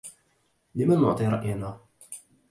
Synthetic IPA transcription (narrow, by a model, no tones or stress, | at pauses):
lɪmanːʊ̰ʕt̪ˤiːɾˤɑʔjanaː